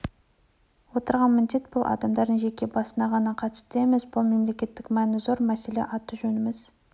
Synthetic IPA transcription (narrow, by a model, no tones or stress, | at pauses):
wo̞t̪əɾʁɑnmɪnd̪e̞t̪̚b̥ʊlˠʔɑ̰d̪ɑmd̪ɑɾd̪əɴʒe̞kʲe̞bɑsənɑʁɑnɑqʰɑt̪ə̥st̪emezbʊlˠme̞mle̞kʲe̞t̪ːɪkmænɪzo̞ɾmæse̞le̞̰ʔɑt̪ːəʒɵnɪmɪz